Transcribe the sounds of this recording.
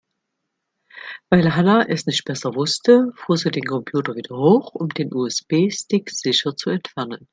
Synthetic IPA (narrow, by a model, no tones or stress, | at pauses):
vaɪlɦanaʔɛsnɪçt̚b̥ɛsɐvʊstəfuːɐziːdeːnkʰɔmpʰjuːtɐviːdɐhoːχʊmdeːnʔuːɛsb̥eːstɪkz̥ɪʃɐt͡suɛntfɛɐnən